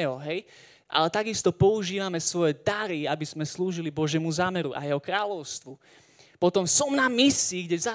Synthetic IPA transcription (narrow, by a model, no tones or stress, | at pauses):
ɦɔɦɛj | ʔa̰lɛt̪aɡist̪ɔpɔuʒiːʋamɛsʋɔjɛd̪aɾiabiz̥mɛsluːʒilibɔʒɪjɛmuzaːmɛɾuʔa̰jɛɦɔkɾaːʎɔʊst̪ʋu | pɔt̪ɔmsɔmnamisiɡɟɛza